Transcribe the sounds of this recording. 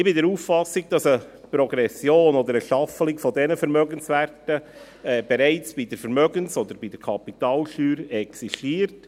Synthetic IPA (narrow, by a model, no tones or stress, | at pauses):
ɪbɪdɛɾuːffɑsɪɡ̚d̥ɑsəpɾɔɡɾɛsjoːnɔd̪əɾəʃɑfəlɪkfɔdɛnəfəɾmœɡənsværtə | ɛːb̥ɛɾæɪt͡sb̥idəɾfəɾmœɡənsɔd̪əɾbid̥ɛɾkʰɑpitɑːlʃyːɾɛksiʃtiːəɾt